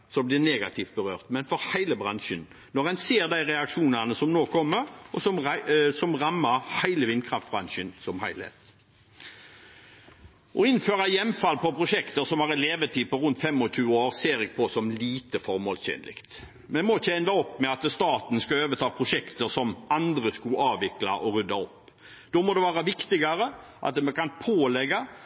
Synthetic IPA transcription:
sɔblɪʁneːɡɑ̰t̪ʰɪft̪̚bəʁøːʁt̪mɛnfɔɾhæɪləbʁɑnʃən | nɔʁɛnseːɾd̪æɪɾɛɑkʂuːnənəsɔmnoːkʰɔmːəɾɔsɔmsɔmʁɑmːɑɾhæɪləʋɪnkʰɾɑft̪bʁɑnʃənsɔmhæɪlhḛːt̪ | ʔɔɪnføːʁɑjɛmːfɑlpɔpʰɾʊʃɛkt̪əɾsɔmæʁɛleːʋət̪ʰiːpɔʁʉnt̪fɛmːɔɕʉːəoːɾseːɾɛɡ̚pʰɔsɔmliːt̪əfɔɾmoːlsçɛ̰ːnlɪ̰kt̪ | mɛnmɔɪçːəɛnd̪ɑɔpːmɛɑt̪st̪ɑːt̪n̩skɑøːʋət̪ʰɑːpʰʁʊʂɛkt̪əɾsɔmɑnd̪ɾəskʉɑːʋʋɪklɑ̰ʔɔɾʉd̪ɑɔpː | d̪̥ɔmɔd̪ɛʋæːʁɑʋɪkt̪ɪɡɑɾə | ʔɑ̰t̪̚d̪ɛmɛkɑnpʰoːlɛɡɑ

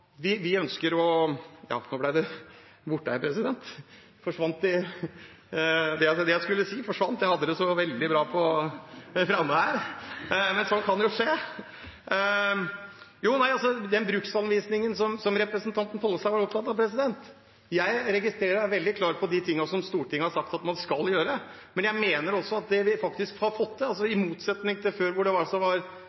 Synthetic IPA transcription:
ʋɪʋɪœnskəɾɔjɑ̰ːnoːblæɪd̪ɛbʊʈːəɪpʰɾɛsɪd̪ɛnt̪ | fɔʂʋɑnt̪d̪ɪ | d̪ɛɑd̪ɛjæɪskʉlːəsiːfɔʂʋɑnt̪jæɪhɑd̪ːəd̪ɛsɔʋɛld̪ɪbɾɑːpʰɔ | fɾɑmːəæːɾ | mɛnsɔnkʰɑnjʊʂeː | juːnæɪɑlsɔd̪ɛnbɾʉːksɑnʋiːsnɪŋənsɔmsɔmɾɛpɾəsənt̪ʰɑnt̪ən̩fɔlːəsæʋɑʈɔpt̪ʰɑt̪ːɑʋpʰɾɛsɪd̪ɛnt̪ | jæɪɾɛɡɪst̪ɾeːɾəæʋɛld̪ɪkʰlɑːɾpʰɔd̪ɪt̪ʰɪŋːɑsɔmst̪uːʈɪŋːəhɑɾʂɑk̚t̪ɑt̪mɑnskɑljøːɾəə | mɛnjæɪmeːnəɾɔsːɔɑt̪̚d̪ɛʋɪfɑk̚t̪ɪskhɑɾfɔt̪ːd̪ɛɑls̬ɔɪmuːt̪sɛt̪nɪŋt̪ʰɪføːɾʋʊɖɛʋɑsɔʋɑɾ

